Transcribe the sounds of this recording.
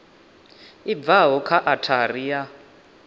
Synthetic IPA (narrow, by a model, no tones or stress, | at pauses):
ib̪vaɦɔkʰaʔatʰarija